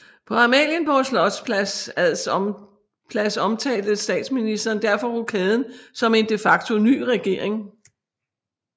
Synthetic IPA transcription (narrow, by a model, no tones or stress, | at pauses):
pʰɒ̽ɑ̈mɛ̰ːljənb̥ɒslɒ̽d̥spʰsæs | pʰlæsɒ̽mt͡sʰɛ̰ːld̥ð̩sd̥ɛ̰ːd̥sminisd̥ɐːnd̥æɐfɒ̽ʁukʰɛðˠn̩sɒ̽me̝nd̥e̝fɑ̈ɡ̥t͡sʰo̝ny̰ːʁɛɡ̥e̝ɐ̰e̝ŋ